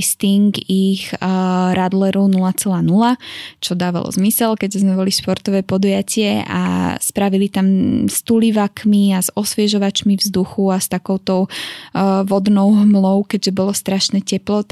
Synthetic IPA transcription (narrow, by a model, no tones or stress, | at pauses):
st̪iŋɡixɾad̪lɛɾɔʊnulat͡sɛlaːnulat͡ʃɔd̪aːʋa̰lɔ̰zmisɛlkɛɟʒɛzmɛbɔliʃpɔɾt̪ɔʋɛːpɔd̪ujacɪɛʔa̰spɾaʋilit̪amst̪uliʋakmiazɔsʋɪɛʒɔʋat͡ʃmivzd̪uxuast̪akɔʊt̪ɔʊ | ʋɔd̪nɔʊɦmlɔʊkɛɟʒɛbɔlɔst̪ɾaʃnɛːcɛplɔt̪